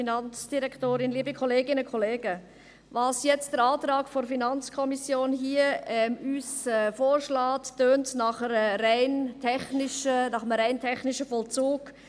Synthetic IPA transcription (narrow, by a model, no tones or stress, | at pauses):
inɑnt͡sd̥iɾɛkʰtoːɾɪnliːbikʰɔleːɡɪnəkʰɔleːɡə | vɑsjɛt͡std̥əɾɑːtɾɑːkfɔɾfinɑnt͡skʰɔmisjoːnɦiəɛmyːsɛfoːɾʃlaːtːøːntnɑχəɾəɾaɪntʰɛχnɪʃənɑχəmɾaɪntʰɛχnɪʃəfɔlt͡suːk